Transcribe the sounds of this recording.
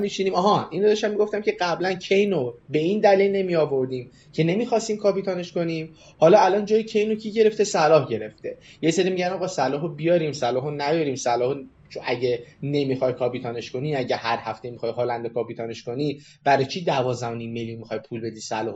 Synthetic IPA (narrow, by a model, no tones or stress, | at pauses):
mit͡ʃʰiniːmɒɦɒːʔinɾod̪ɒʃæmiɡoft̪æmcʰe̞ɢæblæncʰe̞jnobe̞iːnd̪ælilne̞miɒːvo̞ɾd̪iːm | cʰe̞ne̞miːxɒːst̪iːmkʰɒːpit̪ʰɒːne̞ʃko̞nim | hɒːlɒælɒnd͡ʒɒːjecʰe̞jnocʰiːɟeɾe̞ft̪e̞sælɒːhɟe̞ɾe̞ft̪e̞jeseɾiːmiɟænɒːɣɒːsælɒːɦobijɒːɾiːmsælɒːɦonæjɒɾiːmsælɒːho | t͡ʃʰoæɟene̞mixɒjkʰɒːpit̪ʰɒːne̞ʃko̞niːæɟæhæɾhæft̪e̞mixɒjɦɔːlænd̪okɒːpit̪ʰɒːne̞ʃko̞ni | b̥æɾɒjt͡ʃʰid̪ævɒːzd̪æhonimːeljunmixɒjpʰulbe̞d̪iːsælɒːho